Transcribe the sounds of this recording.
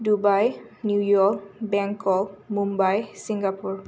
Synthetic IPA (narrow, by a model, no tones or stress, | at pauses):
dubajnjujɔkbɛŋkɔmumbajsiŋɡapuɹ